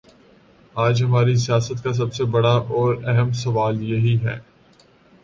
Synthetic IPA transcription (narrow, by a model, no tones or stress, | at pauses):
aːd͡ʒɦɐmaːɾis̬ijaːsət̪kas̬ɐbsebɐɽaʔɔːɾɛɦəms̬ɐʋaːljeɦiɦɛ̰ː